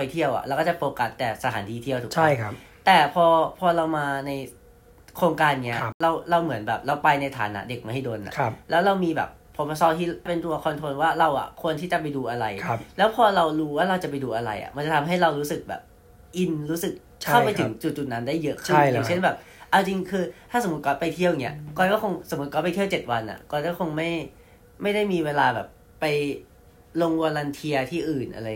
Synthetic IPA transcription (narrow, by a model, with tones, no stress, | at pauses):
pa˧jt̪ʰi˥˩əwʔa̰˨˩ʔɾa˧wkɔː˥˩t͡ɕa˨˩poː˧ka˨˩st̪ːɛː˨˩sa˧t̪ʰaː˩˦nt̪ʰiː˧t̪ʰi˥˩ət̪ʰuː˨˩t͡ɕʰa˦˥˩jʰ | t̪ɛː˨˩pʰɔː˧pʰɔː˧ɾa˧wmaː˧na˧j | kʰɾoː˧ŋkaː˧nːi˦˥ɐɾa˧wɾa˧wmɯ˩˦ənbɛ̰ː˨˩p̚ɾa˧wpa˧jna˧jt̪ʰa̰ː˩˦nːa̰˦˥de˨˩k̚ma˥˩jɦa˥˩jdoː˧nʔa̰˨˩kʰplɛː˦˥wɾa˧wmiː˧bɛ̰ː˨˩p̚ʰːɔ˧pːsɔ˧˥˩t̪ʰiː˥˩pe˧nt̪u˧ɐkʰɔ˧nt̪ʰo˧nwaː˥˩ɾa˧wʔa̰˨˩kʰu˧ənt̪ʰiː˥˩t͡ɕa˨˩pa˧jduː˧ʔa˧ɾa˧jʰlɛː˦˥wpʰɔː˧ɾa˧wɾuː˦˥waː˥˩ɾa˧wt͡ɕa˨˩pa˧jduː˧ʔa˧ɾa˧jʔa̰˨˩ʔma˧nt͡ɕa˨˩t̪ʰa˧mɦa˥˩jɾa˧wɾuː˦˥sɯ˨˩k̚bɛ̰ː˨˩p̚ | ʔi˧nɾuː˦˥sɯ˨˩k̚ | t͡ɕʰa˥˩pa˧jtʰɯ˨˩˦ŋt͡ɕu˨˩t̪̚t͡ɕu˨˩t̪̚na˦˥ndaː˥˩jːɤ˦˥ʔkʰɯ˥˩aː˨˩˦t͡ɕʰe˥˩nbɛː˨˩p̚ | ʔa˧wt͡ɕi˧ŋkʰɯː˧t̪ʰaː˥˩so˨˩˦m̚˦˥kɔː˦˩pa˧jt̪ʰi˥˩əwŋi˦˥ɐkɔː˧˩kɔː˥˩kʰxo˧ŋso˨˩˦mː˦˥t̪̚kɔ˦˥˩pa˧jt̪ʰi˥˩ə˨wt͡ɕe˨˩t̪̚wa˧nʔa̰˨˩kɔː˥˩kɔ˥˩kʰo˧ŋma˥˩j | ma˥˩jda˥˩jmiː˧weː˧laː˧bɛː˨˩pːa˧j | lo˧ŋwu˧la˧nt̪ʰi˧ɐt̪ʰiː˥˩ʔɯː˨˩nʔa˧ɾa˧j